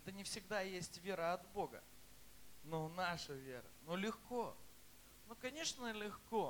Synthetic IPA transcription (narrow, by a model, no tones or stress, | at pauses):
ɛt̪ənʲɪfsʲɪɡd̪ajesʲtʲvʲe̞ɾəɐt̪bo̞ɡə̰ | nonaʂəvʲe̞ɾə̰nolʲɪxko | nokɐnʲe̞ʂnəlʲɪxko